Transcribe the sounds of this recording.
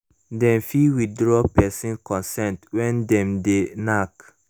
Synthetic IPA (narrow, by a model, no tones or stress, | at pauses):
dɛ̃mfiwidɹɔpɛsĩnkɔ̃nsɛ̃ntwɛ̃ndɛ̃mdenak